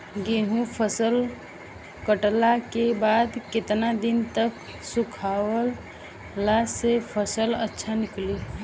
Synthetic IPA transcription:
ɡeɦũpʰəsəl | kəʈlakebaːd̪kɪt̪nad̪ɪnt̪ək | sukʰawəl | lasepʰəsələtːʃʰanɪkli

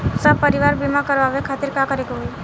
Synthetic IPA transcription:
səpəɾiʋaɾbimãkəɾʋaʋekʰat̪ɪɾkãkəɾeɡoɦoi

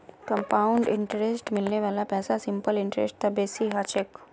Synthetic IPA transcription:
kə̃mpaːʊɳɖɪ̃ɳʈɾesʈmɪlneʋaːlapɛːsasɪ̃mpəlɪ̃ɳʈɾḛsʈ̚t̪ɐbeːsiɦaːt͡ʃek

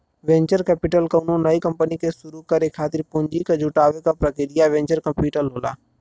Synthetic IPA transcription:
ʋẽːɲt͡ʃəɾkɛːpɪʈəlkɐʊnõnəikə̃mpənikesʊɾukəɾekʰaːt̪ɪɾpʊ̃ɲd͡ʒiked͡ʒʱʊʈaːʋekapɾəkɪɾɪjaʋẽːɲt͡ʃəɾkɐ̃mpiːʈəlɦoːla̰ː

